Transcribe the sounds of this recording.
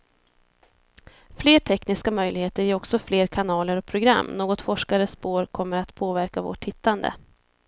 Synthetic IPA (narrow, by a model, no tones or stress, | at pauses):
fleːʈʰɛknɪskamœjlɪɡheːt̪əɾjɛɾɔksɔfleːɾkʰanɑːləɾɔk̚pʰɾʊɡɾa̰mːnoːɡɔt̪fɔʂkaɾəspoːɾkʰɔmːəɾat̪pʰoːvæɾkavo̰ːʈhɪt̪ʰːand̪ə̰